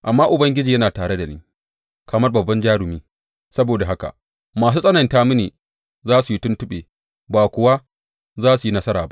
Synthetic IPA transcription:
ʔa˨mːaː˦ʔʊ˨bɐ˦ŋɡʲɪ˦d͡ʒiː˨jɐ˦naː˨taː˨ɽe˦da˨nḭː˦ | kɐ˨mɐ˦rbɐ˨bːɐ˦nd͡ʒaː˦ɽʊ˨miː˦ | sɐ˦boː˨da˨ɦa˦ka̰˨ʔ | maː˨s̬uː˦sʼɐ˦nɐ˨ntaː˦mu˦neː˨ | zaː˦su˨ji˦tʊ˦ntʊ˦ɓeː˨ | baː˨kʷʊ˨wa˦ | zaː˦su˨ji˦nɐ˦sɐ˦ɾaː˨ba˦ʔ

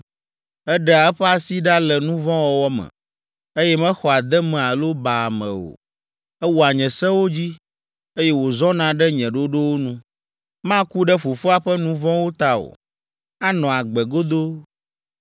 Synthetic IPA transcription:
ɛ˦ɖɛ˦a˨ɛ˦ɸɛ˦a˨si˦ɖa˦lɛ˨nũ˦vɔ̃˦wɔ˦wɔ˦mɛ̰̃˨ | e˦jɛ˦mɛ̃˦xɔ˨a˨d̪ɛ˦mɛ̃˨a˨lo˦ba˨mɛ̰̃˨o̰˨ | ɛ˦wu˨a˨ɲɛ̃˨sɛ˦wo˦d͡ʑi˦ | e˦jɛ˦wo˨zɔ̃˦nã˨ɖɛ˦ɲɛ̃˨ɖo˦ɖo˦wo˦nũ˦ | mã˦ku˦ɖɛ˦fo˨fu˦a˦ɸɛ˦nũ˦vɔ̃˦wo˦t̪a˦o̰˨ | a˦nɔ̃˨a˨ɡ͡bɛ˨ɡo˦d̪o˦

